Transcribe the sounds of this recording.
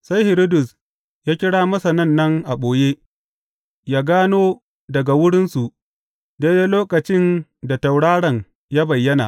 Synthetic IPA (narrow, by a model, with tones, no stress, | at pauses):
sa˦jhɪ˨ɾi˦dʊ˨s | jaː˦kʲɪ˦ɽaː˦mɐ˦sa˨nɐ˦˨nːɐ˦ŋʔa˨ɓoː˨jeː˦ | jaː˦ɡaː˦noː˦ | dɐ˨ɡa˨wʊ˦ɽɪ˦nsu˨ʔ | de˦de˦loː˦kɐ˨t͡ʃɪ˦nda˨ta˨wɽaː˦ɽɐ˨ŋ | jaː˦bɐ˨jːɐ˦na̰ː˨